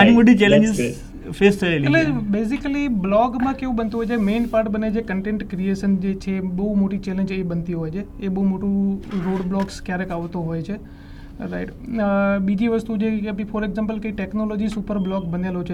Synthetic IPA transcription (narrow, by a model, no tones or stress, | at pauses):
añimoʈit͡ʃɛlẽɲd͡ʒɪz | fʰest̪ʰəelilebeːsɪkəliblɔːɡmãkeʋũɓənt̪uɦojd͡ʒemẽːnpaːɾʈbəned͡ʒekəɳʈẽːɳʈkɾieːʃənd͡ʒet͡ʃʰeɓɐumoʈit͡ʃeːlẽɲd͡ʒeɓənt̪iɦojt͡ʃʰeeɓəɦumoʈũɾoːɽblɔːkskjaːɾekaʋt̪oɦoːjt͡ʃʰe | ɾaɪʈ | ɓid͡ʒiʋəst̪ud͡ʒekbifʰoːɾeɡzãmpəlkəiʈɛknolɔːd͡ʒisupəɾblɔːɡbənelot͡ʃʰe